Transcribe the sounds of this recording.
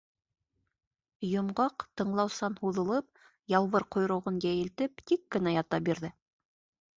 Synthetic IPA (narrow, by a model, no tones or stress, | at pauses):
jŏmɢɑqt̪ɤ̆ɴlˠɑwsɑnhuðɤ̆lˠɤp̚ | jɑlˠβɤɾqŏjɾŭʁɤnjæjɘ̆lt̪ɘpt̪ikːɘ̆næjɑt̪ɑp̚biɾðɘ